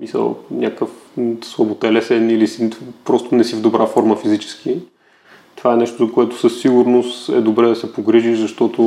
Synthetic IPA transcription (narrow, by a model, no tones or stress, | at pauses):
misə̰lˠnʲakəfsvɐbot̪ɛlɛsɛnilisipɾɔst̪onɛsivd̪obɾafɔɾməfizit͡ʃɛ̥skʰi | t̪ovaɛnɛʃt̪ozɐkoɛt̪ʊ̥səsːiɡʊɾnost̪ɛ̰d̪obɾɛd̪ɐsɛpoɡɾiʒiʃzɐʃt̪ɔt̪o